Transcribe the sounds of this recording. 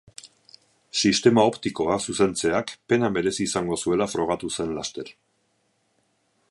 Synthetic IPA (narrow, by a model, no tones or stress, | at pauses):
sist̪e̞mao̞pt̪iko̞asuse̞nt͡se̞akpe̞name̞ɾe̞siːsaŋɡo̞sue̞lafɾo̞ɣ̞at̪use̞nlast̪e̞ɾ